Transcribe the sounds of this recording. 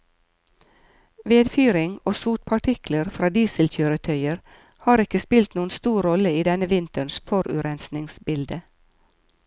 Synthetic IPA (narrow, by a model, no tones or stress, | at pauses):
ʋeːd̪fyːɾɪŋoːsuːʈ̚pʰɑʈʰɪkləɾfɾɑːd̪iːsəlc͡çøːɾət̪ʰœʏəɾ | hɑːɾɪkəspɪlt̪nuːənst̪uːɾɔləiːd̪ɛnəʋɪnt̪əɳsfɔɾʔʉ̰ɾɛnsnɪŋsbɪld̪ə